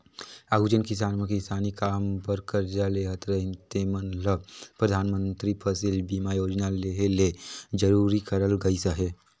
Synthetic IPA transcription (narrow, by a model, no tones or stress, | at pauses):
aːɡud͡ʒənkɪs̬aːnmẽkisaːnikaːmpəɾkəɾd͡ʒaleɦət̪ɾəɦɪ̃nt̪emənləbpɾəd̪ʱaːnmə̃nt̪ɾipʰəsɪlbiːmajoːd͡ʒnaleɦeled͡ʒəɾuːɾikəɾəlɡəisəɦeː